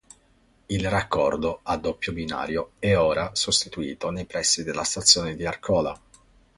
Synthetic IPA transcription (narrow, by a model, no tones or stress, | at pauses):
ilrakːɔrd̪oad̪ːopːjobina̰ːɾjoɛɔːɾasost̪it̪uḭːt̪onejpɾɛsːid̪elːast̪at̪sːjoːned̪iarkʰɔːla̰